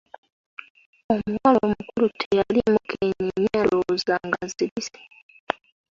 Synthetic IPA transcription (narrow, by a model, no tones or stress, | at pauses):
omuwalomukulutʰejalimukʰeɲiɲalozaŋɡaziβise̥